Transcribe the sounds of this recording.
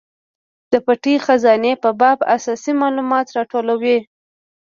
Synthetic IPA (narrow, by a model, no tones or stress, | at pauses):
d̪̥əpaʈixazɑnepəbɑbasɑsimɑlumɑt̪ɾɑʈolawe